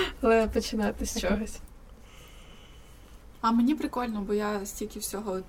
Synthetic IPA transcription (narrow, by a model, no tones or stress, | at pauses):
ɐlˠɛpɔt͡ʃɪnɑt̪ɪsʲt͡ʃɔɦɔsʲ | ɐmenʲipɾɪkɔlʲnɔbɔjasʲtʲilʲkʲɪwsʲɔɦɔ